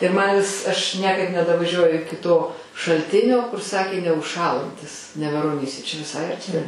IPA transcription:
ɪr mɐn ʋʲɪs ɐʃ nʲiɛkɐɪp nʲɛdɐʋɐˈʒʲuɔjʊ ˈɪkʲɪ toː ʃɐlʲˈtʲɪnʲoː kʊr ˈsɑːkʲeː nʲɛʊʃˈʃɑːlˠɐnʲtʲɪs nʲɛʋʲɛroːˈnʲiːsʲɛ t͡ʃʲɛ ʋʲɪˈsɐɪ ɐrʲˈtʲɪ

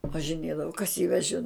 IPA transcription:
ʋɐʒʲɪˈnʲeːdɐʋoː kɐs jiː ʋʲɛˈʒʲɪn

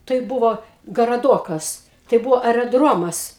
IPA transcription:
tɐɪ ˈbʊʋoː ɡɐrɐˈdoːkɐs tɐɪ ˈbʊʋoː ɐrʲɛˈdroːmɐs

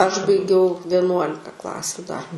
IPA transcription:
ɐʃ bɐɪˈɡʲɛʊ ʋʲiɛˈnuɔlʲɪkɐ ˈklˠɑːsʲʊ dɐr

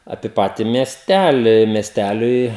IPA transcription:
ɐpʲiɛ ˈpɑːtʲɪ mʲiɛsʲˈtʲælʲɪ mʲiɛsʲˈtʲælʲʊɪ

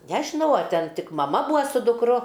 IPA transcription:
ˈnʲæːʒʲɪnɐʊ ɐ ˈtʲɛn ˈtʲɪk mɐˈmɐ ˈbuːɐ sʊ dʊkˈrʊ

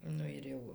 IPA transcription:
ˈnʊ ɪr ˈjɛʊ

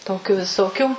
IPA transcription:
ˈtoːkʲʊ ʋʲɪˈsoːkʲuː

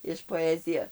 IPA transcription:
ɪʃ poːˈæːzʲɪjɛ

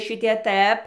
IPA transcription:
ˈʃʲɪtʲiɛ ˈtɘp

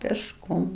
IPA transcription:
pʲeːʃˈkoːm

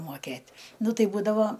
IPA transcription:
moːˈkʲeːtʲ ˈnʊ ˈtɐɪ ˈbuːdɐʋoː

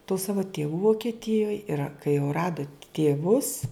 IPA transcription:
tuː ˈsɑːʋʊ tʲeːˈʋuː ʋoːkʲɛˈtʲɪjoːj ɪr ɐ kɐɪ jɛʊ ˈrɑːdʊ tʲeːˈʋʊs

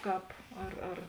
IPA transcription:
ˈkɑːp ɐr ɐr

